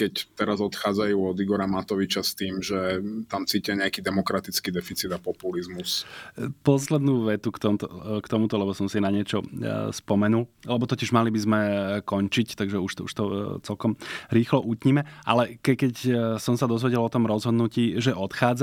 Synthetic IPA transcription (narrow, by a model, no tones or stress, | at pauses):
kɛct̪ɛɾazɔt̪xaːd͡zajuːɔd̪iɡɔɾamat̪ɔʋit͡ʃast̪iːmʒɛt̪amt͡siːcɛɲɛakid̪ɛmɔkɾat̪it͡skid̪ɛfit͡sid̪apɔpulizmuspɔslɛd̪nuːʋɛt̪ukt̪ɔmt̪ɔkt̪ɔmut̪ɔlɛbɔsɔmsinaɲɪɛt͡ʃɔspɔmɛnullɛbɔt̪ɔciʒmalibizmɛkɔɲt͡ʃict̪aɡʒɛuʃt̪ɔṵʃt̪ɔt͡sɛlkɔmɾiːxlɔʔucɲimɛʔa̰lɛkɛkɛcsɔmsad̪ɔzʋɛɟɛlɔt̪ɔmɾɔzɦɔd̪nuciːʒɛʔɔt̪xaːd͡z